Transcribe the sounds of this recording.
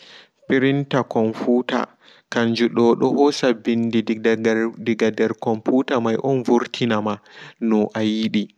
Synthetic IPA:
piɾintakɔnfuːta̰ | kaɲd͡ʒuɗɔɗɔhɔsabindi | diɡadɛɾkɔmpuːtamajʔɔnvuɾtʰinamanɔʔajiɗi

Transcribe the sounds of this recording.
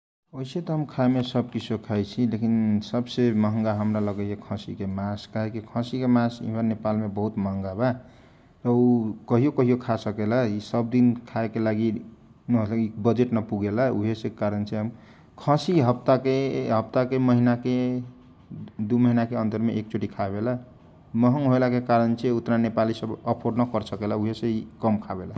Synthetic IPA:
oɦiset̪ɔɦəmkʰaemesəb̚kit͡ʃʰokʰajt͡ʃʰilekinsəbseməɦəŋɡaɦəmɾaləɡəjjekʰə̃sḭkemaskaɦekikʰə̃sikemasḭbənepalmebəɦut̪məɦə̃ŋɡaba | ɾəukəɦijokəɦijokʰasəkelaisəb̚d̪inkʰaekelaɡi | nɦolɡikbəd͡ʒeʈnʌpuɡelauɦesẽekaɾənt͡ʃʰiɦm | kʰʌ̃siɦʌp̚t̪akeɦəp̚t̪akeməɦinake | d̪uməɦinakeənt̪əɾmeʔek̚t͡ʃoʈikʰabela | məɦəŋɡɦoelakekaɾənt͡ʃʰeut̪ɾanepalisəbəpʰoɖnəkʌɾsəkelauɦesẽikʌmkʰabela

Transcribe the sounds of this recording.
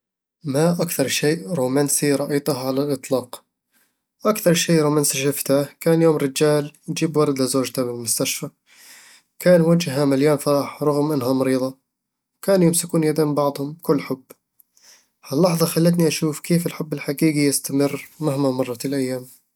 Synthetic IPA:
maʔakθɑɾˤʃeːʔɾuːmaːnsiɾˤɑʔiːt̪ʊhʕalalʔɨt̪ˤlɑːq | ʔakθɑɾˤʃeːʔɾuːmaːnsiʃɪft̪akaːnjoːmɾɪd͡ʒaːljd͡ʒiːbwɑɾˤd̪ɪzoːd͡ʒt̪abɪlmʊst̪aʃfa | kaːnwad͡ʒɦamaljaːmfaɾˤɑħɾˤɑɣmʔanːɦamɑɾiːðˤɑ | wkaːnjɪmsɪkuːnjad̪aːmbɑʕd̪ˤhʊmkʊlːħʊbː | halːɑħðˤɑxalːat̪niʔaʃuːfkeːfɪlħʊbːɪlħaɡiːɡijɪst̪amɪrːmahmamɑrˤːɑlʔajːaːm

